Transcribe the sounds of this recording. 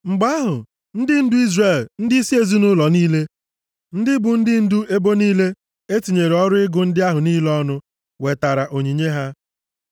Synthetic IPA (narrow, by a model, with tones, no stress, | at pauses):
ŋ͡m̩˨ɡ͡ba˦ɦʊ˨ | n̩˦dɪ˦n̩˦dʊ˦i˦zre˨ln̩˦dɪ˦i˦si˦e˨zi˦nʊ˦lɔ˨niː˦le˦ | n̩˦dɪ˦bʊ˨n̩˦dɪ˦n̩˦dʊ˦ʔe˦bo˦niː˦le˦ | e˦ti˨ɲe˨ɾɔ˦ɾʊ˦ɪ˦ɡʊ˨n̩˦dɪ˦a˦ɦʊ˨niː˦lɔ˦nʊ˦ | we˨ta˨ɾa˨ʔo˨ɲi˨ɲe˦ɦa˦